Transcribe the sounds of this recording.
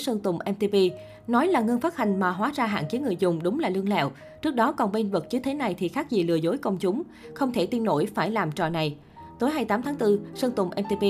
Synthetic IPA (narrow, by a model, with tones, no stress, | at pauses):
sə˧ŋt̪ʊ˨˩ŋ͡mʔɛ˧mt̪i˧vi˧ | nɔ˨˦jlaː˨˩ŋə˧nfaː˦˥t̚ha˨˩jŋ̟maː˨˩ɦwaː˨˦zaː˧ɦa̰ː˧˨nt͡ɕe˨˦ŋɨ˨˩əjzʊ˨˩ŋ͡mɗʊ˨˦ŋ͡mlaː˨˩lɨ˧əŋlɛ̰˧˨w | t͡ɕɨ˦˥ək̚ɗɔ˨˦kɔ˨˩nɓe˧nvɨ˨˩k̚t͡ɕɨ˨˦t̪ʰe˨˦na˨˩jt̪ʰi˨˩xaː˦˥k̚zi˨˩lɨ̰˨˩əzo˨˦jkə˧wŋ͡mt͡ɕʊ˨˦ŋ͡m | xə˧wŋ͡mt̪ʰe˧˩t̪i˧ənːo̰˧˩jfaː˧˩jlaː˨˩mt͡ɕɔ̰˨˩na˨˩j | t̪o˨˦jɦaː˧jt̪aː˨˦mt̪ʰaː˨˦ŋt̪ɨ˧sə˧ŋt̪ʊ˨˩ŋ͡mʔɛ˧mt̪i˧vi˧